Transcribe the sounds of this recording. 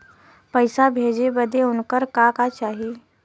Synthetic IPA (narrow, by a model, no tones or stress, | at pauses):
pəɪsabʱeːd͡ʒebəd̪eʊnkəɾkakat͡ʃaːɦi